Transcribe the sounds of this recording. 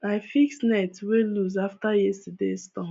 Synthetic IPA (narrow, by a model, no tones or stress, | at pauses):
aɪfiksnaɪtweluzaftajɛstədestɔ̃